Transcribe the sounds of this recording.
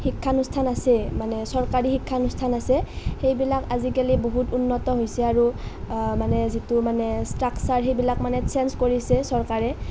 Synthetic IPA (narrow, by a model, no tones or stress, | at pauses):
xikʰːanustʰanasɛmanɛsɔɹkaɹixikʰːanustʰanasɛxejbilakazikaliboɦutunːɔtɔɦojsɛaɹu | manɛzitumanɛstɹaksaɹxejbilakmanɛt͡ʃɛnskoɹisɛsɔɹkaɹɛ